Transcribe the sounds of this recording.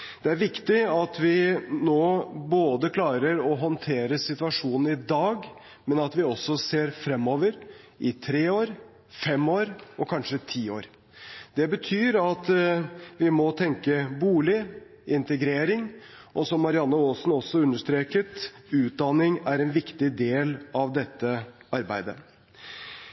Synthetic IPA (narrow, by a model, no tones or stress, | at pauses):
d̪ɛæɾʋɪkt̪ɪɑt̪ʋɪnoːboːd̪əkʰlɑːɾəɾɔɦɔnt̪ʰeːɾəsɪt̪ʋɑʂuːnn̩ɪd̪ɑːɡ | mɛnɑt̪ʋɪɔsɔseːɾfɾɛmːɔːʋəɾ | ʔɪt̪ʰɾeːoːɾ | fɛmːoːɾɔkʰɑnʂət̪ʰiːo̰ːɾ | d̪ɛbət̪ʰyːɾɑt̪ | ʋɪmɔt̪ʰɛŋkəbuːɭɪ | ɪnt̪əɡɾeːɾɪŋ | ʔɔsɔmːɑɾɪɑnːəoːsn̩ɔsːɔʉnːəʂt̪ɾeːkət̪ʉːt̪̚d̪ɑnɪŋæɾɛnʋɪkt̪ɪd̪eːlɑʋd̪ɛt̪ːəɑɾbæɪd̪ə